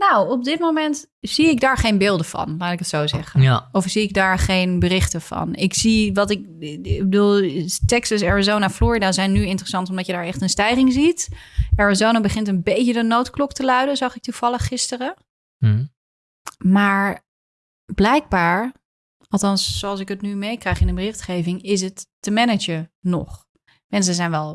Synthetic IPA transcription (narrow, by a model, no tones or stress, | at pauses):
nawɔb̚dɪtmowmɛnt | z̥iɪɡ̚daːɹχejnbɪːlˠdəvɑ̰nlaːtɪkətsowzɛχənɔfz̥iɪɡ̚daːɹχejnbərɪχtəvɑ̰nɪkziʋɑtɪk̚ | ɪɡbəduːlˠtɛksəsɛɹazownaflʊːɹidazɛjnːyɪntərəsɑntɔmdɑtjədaːɹɛχtənstɛjχɪŋzitʔɛɹazownabəχɪntənbejcədənowtklɔktəlœɥdəzɑχɪk̚tuv̥ɑlˠəχːɪstərə | maːɹ | blɛjɡ̚baːɹ | ɑlˠtɑnsːoɑlˠsɪkətnymejkrɛjχɪndəmbərɪχtχejvɪŋɪs̬ətːəmɛnəd͡ʒənɔ̰χ | mɛns̬əzɛjnʋɛlˠ